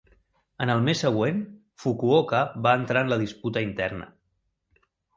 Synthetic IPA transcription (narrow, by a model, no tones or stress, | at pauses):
ənəlˠmesːəɣwen | fukuokəβaənt̪ɾaənləð̞isput̪əint̪ɛrnə̰